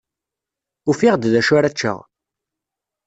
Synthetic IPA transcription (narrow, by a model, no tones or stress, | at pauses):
ufiʁd̪ðæʃʊɾæt͡ʃːə̰ʁ